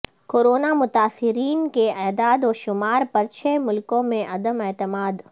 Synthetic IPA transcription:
koːɾoːnamʊt̪aːsɪɾiːnkeaːd̪aːd̪ɔːʃʊmaːɾpɐɾt͡ʃʰeːmʊlkõmẽʔɐd̪əmɛːt̪ɪmaːd̪

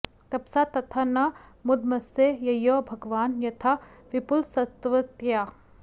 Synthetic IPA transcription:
t̪ɐpsat̪ɐt̪ʰanɐmʊd̪mɐsejɐjoːbʱɐɡʋaːnjɐt̪ʰaʋɪpʊlsɐt̪ʋɐt̪jaː

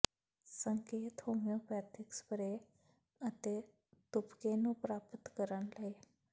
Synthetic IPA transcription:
səŋkeːt̪hoːmjõːpɛːt̪ʰɪkspəɾeː | ət̪eː | t̪ʊpkeːnũːpɾaːpət̪kəɾənləeː

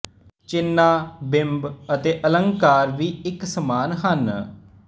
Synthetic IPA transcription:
t͡ʃɪnːaːbɪmbət̪eːʔələŋɡkaːɾʋiːɪksəmaːnɦən

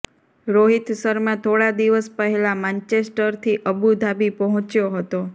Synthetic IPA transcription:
ɾoɦit̪səɾmãt̪ʰoɽad̪iʋəspəɦelamãɲt͡ʃesʈəɾt̪ʰiʔəbud̪ʱabipəɦɔ̃t͡ʃjoɦət̪o

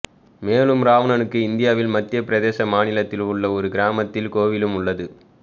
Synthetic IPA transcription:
meːlɯmɾaːʋɐnɐnɯkːɯɪnd̪ɪjaːʋɪlmɐt̪ːɪjɐpɪɾɐðeːsɐmaːnɪlɐt̪ːɪlʊɭːɐɔɾɯɡɪɾaːmɐt̪ːɪlkoːʋɪlɯmʊɭːɐðɯ

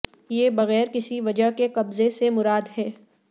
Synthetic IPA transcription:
jeːbɐɣɛːɾkɪsiʋɐd͡ʒəɦkeqɐbzesemʊɾaːd̪ɦɛː

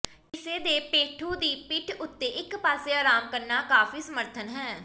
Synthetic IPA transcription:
ɪseːd̪eːpeːʈʰũːd̪iːpɪʈʰʊt̪ːeːʔɪkpaːseːaːɾaːmkəɾnaːkaːfiːsəməɾt̪ʰənɦɛ̃ː

